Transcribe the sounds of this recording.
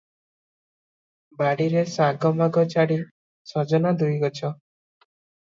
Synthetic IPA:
baɽiɾesaɡɔmaɡɔt͡ʃaɽi | sɔd͡ʒɔnad̪ʱujɡɔt͡ʃʰɔ

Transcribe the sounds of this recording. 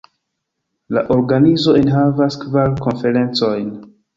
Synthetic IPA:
la̰ʔo̞ɾɡanizo̞enɦavaskvaɾko̞nfe̞ɾe̞nt͡so̞jn

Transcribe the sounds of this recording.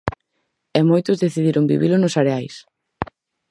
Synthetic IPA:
ɛmojt̪ʊzðeθiðiɾoŋbḭβilʊnosaɾeajs

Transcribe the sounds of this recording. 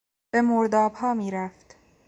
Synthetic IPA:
b̥e̞moɾd̪ɒːbhɒːmiːɾæft̪

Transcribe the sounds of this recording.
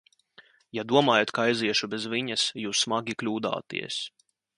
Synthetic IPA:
jad̪uɔmaːjat̪kaajziɛʃubɛzviɲɐsjuːsːmaɡʲiklʲuːd̪a̰ːt̪ḭɛs

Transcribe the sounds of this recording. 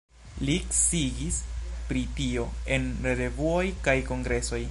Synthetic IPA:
liksiɡispɾitio̞e̞nɾeɾe̞vuo̞jkajko̞ŋɡɾe̞so̞j

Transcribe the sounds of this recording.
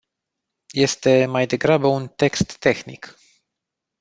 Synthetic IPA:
je̞st̪e̞majd̪e̞ɡɾabəunt̪e̞kst̪ːe̞xnḭk

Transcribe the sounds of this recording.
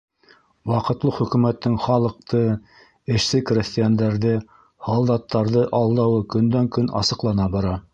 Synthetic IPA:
wɑqɤ̆t̪lˠɤχɵ̆kʉ̆mæt̪ːɘŋχɑlˠɤ̆q̚t̪ɤ | ɘ̆ʃsɘkrʲesʲt̪ʲɪjand̪æɾðɘ | hɑlˠd̪ɑt̪ːɑɾðɤʔɑlˠd̪ɑwɤkɵ̆nd̪æŋkɵnɑ̰sɤ̆qlˠɑnɑbɑɾɑ

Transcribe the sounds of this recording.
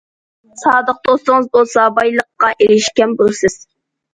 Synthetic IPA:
sɑːd̪əq̚d̪ost̪əŋəzbolˠsɑbɑjlˠəqːɑʔeɾɪʃkʲɛnbolˠsɨz̥

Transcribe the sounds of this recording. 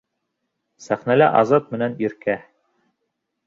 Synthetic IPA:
sæχnælæʔɑ̰zɑt̪̚mɘ̆næniɾkæ

